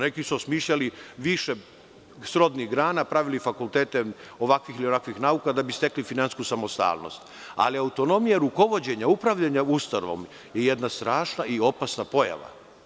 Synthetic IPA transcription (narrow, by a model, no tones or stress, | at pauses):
nekisuosmiːʃʎaliʋiʃe | sɾo̞d̪niɣɡɾaːnapɾaʋilifakulˠt̪eːt̪e̞o̞ʋakʋiilionakʋixnaukad̪abist̪e̞klifinanskusamo̞st̪a̰ːlˠno̰st̪ | a̰liaut̪o̞no̞mijaɾuko̞ʋo̞d͡ʑe̞ɲaupɾaʋʎaɲaust̪aɾoʋo̰m | jejed̪nast̪ɾaːʃnaio̞pasnapo̞ja̰ʋa̰